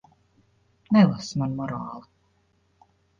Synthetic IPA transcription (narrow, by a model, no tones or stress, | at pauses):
nɛlˠasmanmɔɾɑːlˠi